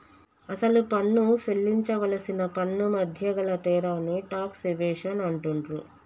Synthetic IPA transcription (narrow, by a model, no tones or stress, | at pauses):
ɐsɐlupɐnːuselːiɲt͡ʃɐʋɐlɐsinɐpɐnːumɐd̪ʱjɐɡɐɭɐt̪ɛːɾaːnːiʈaːkseʋɛːʂɐnɐɳʈuɳɾu